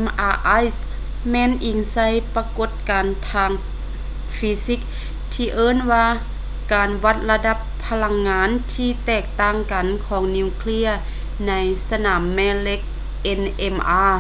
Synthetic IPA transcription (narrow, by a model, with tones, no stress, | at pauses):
mʔaː˧ʔa˧˥js | mɛː˧˥˨nʔi˨˩ŋsa˧˥jpa˧ko˧˥t̪̚kaː˨nt̪ʰaː˧ŋ | fi˧si˧˦˥k̚ | t̪ʰiː˧ʔɤː˧˥˨nwaː˧ | kaː˨˩nwa˧˥t̪̚la˧da˧˥pʰːa˧la˧ŋːaː˨˧˥nt̪ʰiː˧t̪ɛː˧˩k̚t̪aː˧˩ŋka˨˩nkʰɔː˩˦ŋni˧˩wkʰli˧˥ɐ | na˧˥jsa˧naː˩˦mːɛː˧le˧˥k̚ | ʔe˧nʔe˧mʔaː˧